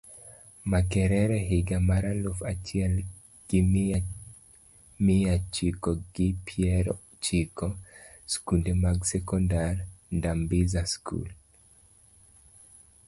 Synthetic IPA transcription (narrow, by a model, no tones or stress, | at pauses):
makɛɾɛɾɛɦɪɡamaɾalofat͡ʃjɛl | ɡ̥ɪma | mɪjat͡ʃikɔɡɪpʰiɛɾ | t͡ʃɪkɔ | skudɛmaɡsɛkɔndardambizaskṵl